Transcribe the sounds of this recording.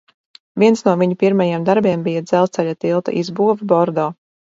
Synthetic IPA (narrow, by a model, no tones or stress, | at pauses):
viɛnsnuɔviɲupiɾmajeɛmd̪aɾbiɛmbijad̪zɛlˠsɛʎʲat̪ilˠt̪a̰ʔizbuɔvibɔɾd̪ɔː